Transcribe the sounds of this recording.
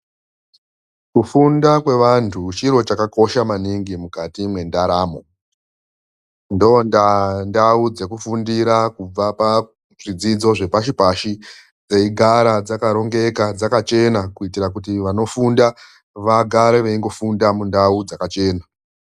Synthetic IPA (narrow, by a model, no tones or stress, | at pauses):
kufundakwe̞ʋantʰut͡ʃiɾo̞t͡ʃakako̞ʃamaniŋɡimukatimwe̞ndaɾaːmo̞ | ndondandaud͡ze̞kufundiɾakub͡vapa | ʐid͡zid͡zo̞ʐe̞paʃipaʃi | d͡ze̞iɡʱaɾad͡zakaɾo̞ŋɡe̞kad͡zakat͡ʃe̞nakuitiɾakutiʋano̞funda | ʋaɡʱaɾeʋeiŋɡo̞fundamundaud͡zakat͡ʃe̞ːna